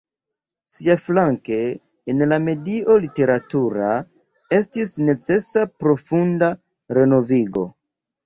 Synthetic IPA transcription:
siaflaŋke̞ː | nlame̞diʔo̞lite̞ɾatuɾa | e̞stisne̞t͡se̞sapɾo̞funda | ɾe̞no̞viɡo̞̰

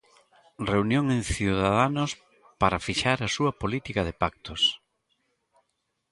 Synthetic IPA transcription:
reunjoŋẽŋθiuwðaðanʊs | paɾafiʃaɾɐsuɐpolit̪ikɐðepak̚t̪os

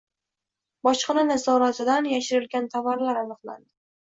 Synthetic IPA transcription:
bɒʃqɨnanazɒɾat̪ʰɪd̪anjaʃɪɾɪlɡʲant̪ʰavaɾlaɾanɨqlˠa̰nd̪ɪ

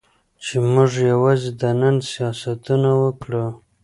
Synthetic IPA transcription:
t͡ʃemʊʐjawɑzed̪ənənsijɑsat̪unawəkɽə

